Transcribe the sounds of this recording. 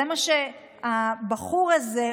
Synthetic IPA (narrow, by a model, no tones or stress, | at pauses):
emaʃe | abaχuʁaze